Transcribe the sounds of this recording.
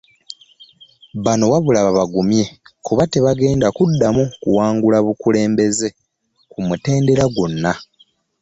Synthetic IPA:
βano̞waβulaβaβaɡumje̞kuβate̞βaɡe̞ːndakudːamukuwaːŋɡulaβukule̞ːmbe̞ze̞ | kumute̞ːnde̞ɾaɡunːa

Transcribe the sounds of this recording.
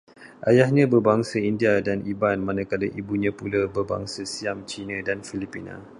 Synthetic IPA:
ʔajahɲãbərbaŋsəindiadanibanmãnãkaləʔibuɲãpuləbərba̰ŋsəsiamt͡ʃinãdanfilipina̰

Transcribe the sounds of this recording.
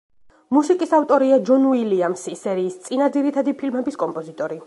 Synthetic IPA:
musikʼisaft̪ʼɔɾiad͡ʒɔnuiliamsisɛɾiːst̪sʼinad̪ziɾit̪ʰad̪ipʰilmɛbiskʼɔmpʼɔzit̪ʼɔɾi

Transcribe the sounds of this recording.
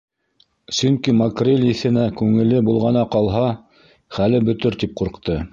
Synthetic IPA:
sɵŋkimɐkrʲelʲiθɘ̆nækʉŋɘ̆lɘbulˠʁɑnɑqɑlˠɦɑ | χælɘbɵ̆t̪ɵɾt̪ip̚quɾqt̪ɤ

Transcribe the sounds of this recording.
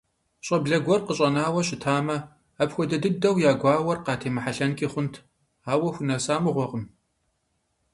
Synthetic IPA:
ɕʼɐbɮɐɡʷɔrqəɕʼɐnaːwɐɕɪtʰaːmɐː | pxʷɔdɐdɨdɐwjaːɡʷɑːwɐrqɑːtʰeːmɨħaɬɐnkʼiːχʷʊntʰ | aːwɐxʷʊnɐsaːmɨʁʷɔʁəm

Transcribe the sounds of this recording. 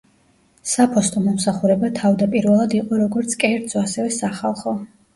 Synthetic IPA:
sapʰɔst̪ʼɔmɔmsaχuɾɛbat̪ʰavd̪apʼiɾvɛlˠad̪iqʼɔɾɔɡɔɾt̪sʰkʼɛɾd̪z̥ɔasɛvɛsaχalˠχɔ

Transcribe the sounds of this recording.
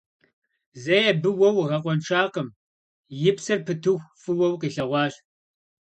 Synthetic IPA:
zɐjɛbɨwɐwʁɐqʷɔnʈ͡ʂʰaːqəm | jɪpsɐrpʰɨtʰɨxʷfɨwɐwqiːɬɐʁʷɑːɬ

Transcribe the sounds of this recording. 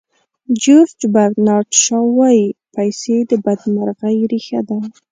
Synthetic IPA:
d͡ʒoɾd͡ʒbaɾɡnɑɾʈʃɑwɑjipajsed̪əbad̪maɾɣajɾixa̰d̪a

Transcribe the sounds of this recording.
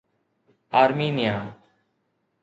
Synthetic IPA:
aːɾmiːnɪjaː

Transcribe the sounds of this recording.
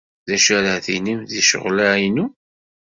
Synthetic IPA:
ðæʃæɾəθḭnimðiʃə̰ʁlajnu

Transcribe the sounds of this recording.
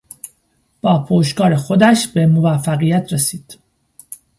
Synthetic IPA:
b̥ɒːpʰoːʃkɒːɾexo̞d̪æʃb̥e̞movæfːæɣijæt̪ʰɾesiːd̪̥

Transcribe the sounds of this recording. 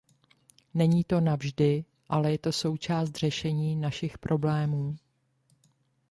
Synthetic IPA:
nɛɲiːt̪o̞navʒdɪ | ʔalɛjɛt̪o̞so̞wt͡ʃaːst̪r̝̥ɛʃɛɲiːnaʃɪxpɾʔo̞blɛːmuː

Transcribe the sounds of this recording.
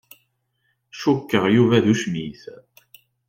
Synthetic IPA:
ʃukːəʁjuvæðuʃmiθ

